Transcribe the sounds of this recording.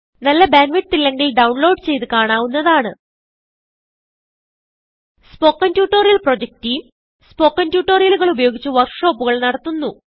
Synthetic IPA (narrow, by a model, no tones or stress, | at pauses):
nɐlːɐbaːnʋiʈt̪ilːeŋɡilɖɐwɳlo̞ːɖt͡ɕe̞jt̪ɨkaːɳaːwunːɐðaːɳɨ | spo̞ːkːɐntjuːʈːoːrijɐlpro̞ːd͡ʑek̚tijum | spo̞ːkːɐntjuːʈːoːrijɐluɣɐɭubɐjo̞ːɡit͡ɕːuʋɐrkʂo̞ːpːuɣɐɭnɐɽɐt̪ːunːu